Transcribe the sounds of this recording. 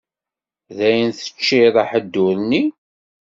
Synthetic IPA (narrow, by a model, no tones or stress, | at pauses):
ðæjənθə̥t͡ʃːiðˤəħəd̪ːʊɾni